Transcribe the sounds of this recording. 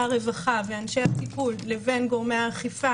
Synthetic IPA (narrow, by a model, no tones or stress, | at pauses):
aʁe̞vaχaveanʃe̞hasikulːe̞ve̞nɡo̞ʁmeaχifa